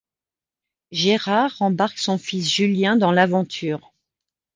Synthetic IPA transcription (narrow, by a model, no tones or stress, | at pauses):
ʒeʁaʁɑ̃baʁksɔ̃fisʒyljɛ̃d̪ɑ̃lavɑ̃t̪ʰyːʁ